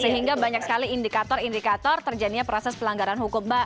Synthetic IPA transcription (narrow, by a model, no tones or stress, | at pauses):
səɦiŋɡabaɲak̚səkaliindikat̪ɔɾindikat̪ɔrt̪ərd͡ʒaniapɾɔsɛspəlaŋɡaɾanhukʊmba